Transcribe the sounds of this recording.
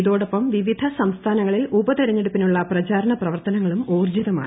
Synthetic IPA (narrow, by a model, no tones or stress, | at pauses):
iðo̞ːɽopːɐmʋiʋid̪ʱɐsɐmst̪ʰaːnɐŋːɐɭilubɐt̪iɾɐɲːeɽupːinuɭːɐprɐt͡ɕaːɾɐɳɐprɐʋɐrt̪ɐnɐŋːɐɭumoːrd͡ʑiðɐma̰ː